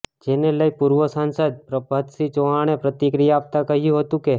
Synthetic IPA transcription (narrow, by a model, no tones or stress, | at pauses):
d͡ʒeneləipuɾʋəsansəd̪̚pɾəbʱad̪sit͡ʃoɦaɽ̃epɾət̪ikɾijaːp̚t̪akəɦjũɦət̪ũke